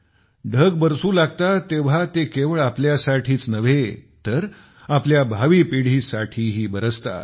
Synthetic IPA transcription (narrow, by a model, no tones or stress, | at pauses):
ɖʱəɡbəɾsuːlaɡt̪at̪eʋ̤at̪ekeʋəɭapljasaʈʰiːt͡snəʋet̪əɾ | apljabʱaʋiːpiɽ̤iːsaʈʰiːɦiːbəɾəst̪a̰